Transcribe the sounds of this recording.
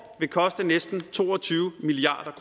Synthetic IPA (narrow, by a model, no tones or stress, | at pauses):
ʋe̝kʰɒ̽sd̥ənesd̥n̩t͡sʰo̝̰ːɒ̽t͡sʰyːʊmiliɑ̰̈ːd̥ɐkʰʁ